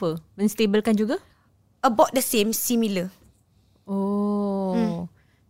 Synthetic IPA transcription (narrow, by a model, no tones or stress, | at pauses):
əmə̃nst̪ebəlkand͡ʒuɡa | əbɔʔ̚dəsẽmsimilə | o